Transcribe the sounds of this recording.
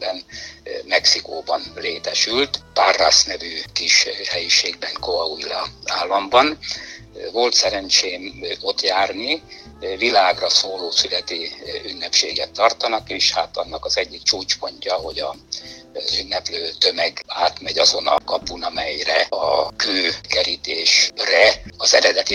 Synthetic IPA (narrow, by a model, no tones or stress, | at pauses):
bɛnmɛksikoːbɒnleːt̪ɛʃylt̪parːa̰snɛvyːkiʃhɛjiʃeːɡ̚bɛŋkoɒuilɒaːlːɒmbɒn | vo̞lt̪sɛɾɛnt͡ʃeːmo̞t̪jaːrni | vilaːɡrɒsoːloːsylɛt̪iynːɛpʃeːɡɛt̪ːɒrt̪ɒnɒkeːʃhat̪ɒnːɒkɒzɛɟːikt͡ʃuːt͡ʃpo̞ɲcɒɦo̞ɟɒ | zynːɛpløːt̪ø̞mɛɡaːt̪mɛɟɒzo̞nɒ̰kɒpunɒmɛjrɛɒ̰køːkɛɾit̪eːʃrɛɒzɛɾɛd̪ɛt̪i